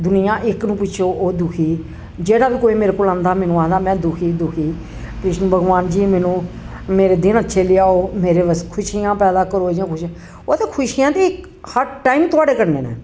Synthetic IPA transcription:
d̪ʊnɪjãːʔɪknũːpʊʃʰoːʔoːd̪ʊkʰiː | d͡ʒeːɽaːbiːkoːiːmeːɾeːkoːlãːnd̪aːmɛːnũːaːd̪aːmɛ̃ːd̪ʊkʰiːd̪ʊkʰiː | pɾɪʃnbʱəɡʋaːnd͡ʒiːmɛ̃ːnũː | meːɾeːd̪ɪnətːʃʰeːlɪaːoːmeːɾeːʋəskʰʊʃiːjãːpɛːd̪aːkəɾoːed͡ʒãːkʰʊʃiã | oːt̪eːkʰʊʃiːjãːt̪eːɪk | həɾʈaːiːmt̪ʊaːɖeːkəɾnḛːnḛː

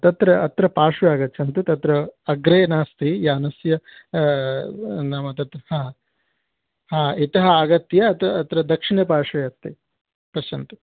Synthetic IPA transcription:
t̪ɐt̪ɾɐːt̪ɾɐpaːʂʋɐjaːɡɐtːt͡ʃʰɐnt̪ut̪ɐt̪ɾɐːɡɾeːnaːst̪ijaːnɐsjɐ | nɐmɐt̪ɐt̪ɐhaː | haːit̪ɐɦɐɐɡɐt̪jɐːt̪ɐːt̪ɾɐd̪ɐkʂiɳeːpaːʂɐjɐt̪ːi | pɐʃɐnt̪u̥

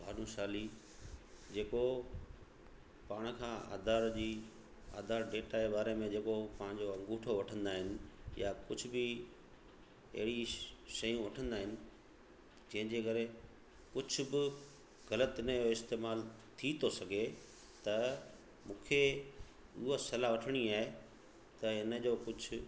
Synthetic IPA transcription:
bʱaːnũʃaːli | d͡ʑeːko | paːɽ̃kʰãːa̰ːd̪aːɾd͡ʑiː | a̰ːd̪ʱaːɾɖeːʈaːebaːɾemẽd͡ʑeːkopɐ̃ɦɪ̃ɲd͡ʑoɐ̃ŋɡuːʈʰoʋɐʈʰə̃nd̪aːɦɪnɪ̆jakʊd͡ʑʱʊbɪ | ɐ̰ɦɪɽiʃɐjũʋɐʈʰə̃nd̪aːɦɪnɪ̆ | d͡ʑɐ̃ɦɪ̃ɲd͡ʑeːkɐɾe | kʊd͡ʑʱʊ̆bɪ | ɣɐlət̪ɪnəjoɪst̪eːmaːlt̪ʰit̪ʰosɐɡʱe | t̪ɐ | mũːkʰe | ʊɦosɐlaʋɐʈʰəɽ̃iaːɦe | t̪ɐɪnə̆d͡ʑoːkʊd͡ʑʱʊ

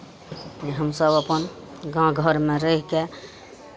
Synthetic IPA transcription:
iɦəmsəbəpən | ɡãɡʱəɾmeɾəɦike

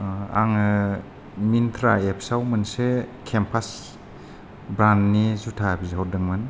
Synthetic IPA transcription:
a̰ŋɯ | mint̪ʰɾaepʰsawmɯnsekʰempʰas | bɾannizutʰabizɦɔɾdɯŋmɯn

